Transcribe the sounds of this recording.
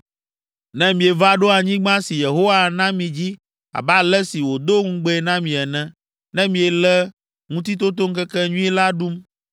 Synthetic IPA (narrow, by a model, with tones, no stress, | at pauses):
nɛ̃˦mĩ˨e˨va˦ɖo˦a˨ɲĩ˦ɡ͡bã˦si˨je˨ɦo˦wa˦˨nã˦mĩ˨d͡ʑi˦ | a̰˨ba˦lɛ˦si˨wo˨d̪o˦ŋũ˦ɡ͡bɛ˦ɛ˨nã˦mĩ˨ɛ˨nɛ̃˦ | nɛ̃˦mĩ˨ɛ˨lɛ˦ | ŋũ˦t̪i˦t̪o˦t̪̬o˦ŋ̩˦kɛ˦kɛ˦ɲũ˦i˦la˦ɖu˦m